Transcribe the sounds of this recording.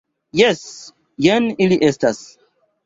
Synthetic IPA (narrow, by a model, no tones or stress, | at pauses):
jes | jeniliʔestas